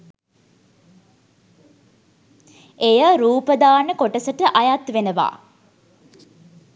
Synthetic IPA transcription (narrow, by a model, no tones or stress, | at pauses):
ejəɾuːpəd̪aːnəkoʈəsəʈəʔajat̪ʋenəʋa̰ː